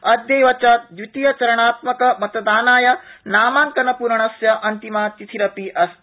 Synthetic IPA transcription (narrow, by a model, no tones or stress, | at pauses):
ɐd̪jɐjʋɐt͡ʃɐt̪̚d̪ʋit̪ijɐt͡ʃɐɾɐɳ̃aːt̪mɐkɐmɐt̪ɐd̪aːnaːjɐnaːmaːŋkɐnɐpuɾɐɳɐsjɐʔɐnt̪imaːt̪it̪ʰiɾɐpiʔɐs